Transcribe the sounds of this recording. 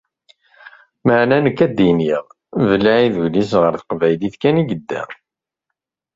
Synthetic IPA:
məʕnænəkːæd̪iniʁ | vəlːæiðulisʁəɾθə̥qvæjliθkæniɡəd̪ːæ̰

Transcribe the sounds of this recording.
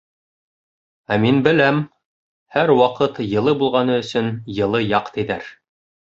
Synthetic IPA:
æminbɘ̆læm | hæɾwɑqɤt̪jɤ̆lˠɤbulˠʁɑnɤɵ̆sɵnjɤ̆lˠɤjɑqt̪ɘ̆ðæ̰ɾ

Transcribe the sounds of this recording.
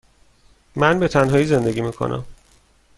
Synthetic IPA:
mænbe̞t̪ʰænɦɒːiːze̞nd̪e̞ɡiːmiːkʰo̰nʔæ̰m

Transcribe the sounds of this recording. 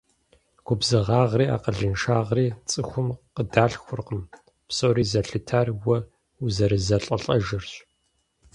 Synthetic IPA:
ɡ̥ʷʊbzɨʁɑːʁriːa̰ːqəɮɨnʃaːʁriːt͡sʼɨxʷʊmqədaːɬxʷʊrqəm | psowɾiːzɐɬɨtʰaːrwɐ | uzɐɾɨzɐɬʼɐɬʼɐʒɨrɕ

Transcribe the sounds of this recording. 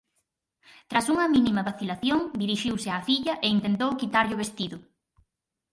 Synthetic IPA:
t̪ɾasuŋɐminimɐβaθilaθjoŋd̪iɾiʃiwsɪafiʎɐʔeint̪ent̪owkit̪aɾʎʊβest̪iðʊ

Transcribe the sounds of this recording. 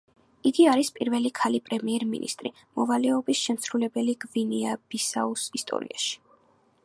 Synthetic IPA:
iɡiaɾispʼiɾvɛlikʰalipʼɾɛmiɛɾmḭnḭst̪ʼɾi | mɔvalɛɔbisʃɛmsɾulɛbɛliɡviniab̥isausist̪ʼɔ̰ɾḭaʃi̥

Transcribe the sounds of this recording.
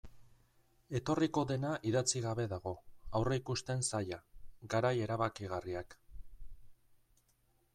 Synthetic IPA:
e̞t̪o̞riko̞ðe̞naʔiðat͡siɣ̞aβe̞ðaɣo̞awre̞ikust̪e̞nsajaɡaɾaje̞ɾaβakiɣ̞ariak

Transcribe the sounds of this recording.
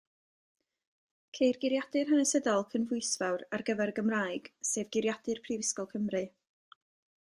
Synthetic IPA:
kʰejrɡɪɾjadɨrɦənɛsədɔlˠkʰənvʊɨsvawrarɡəvɛrɡəmraːjɡ̥seːvɡɪɾjadɨrpʰrivɪskɔlˠkʰəmrɨ

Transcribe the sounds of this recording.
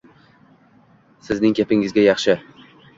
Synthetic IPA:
sɪznɪŋkʲʰepɪŋɪzɡʲajɑχʃɪ

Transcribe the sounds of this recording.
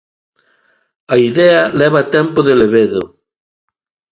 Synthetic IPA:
ɐiðɛɐlɛβat̪ɛmpoðeleβeðo

